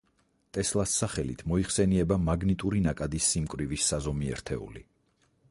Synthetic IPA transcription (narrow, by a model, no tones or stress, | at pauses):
t̪ʼɛslˠasːaχɛlḭt̪ʰmɔiχsɛniɛbamaɡnit̪ʼuɾinakʼad̪isːimkʼɾivisːazɔmiɛ̰ɾt̪ʰɛ̰ṵlḭ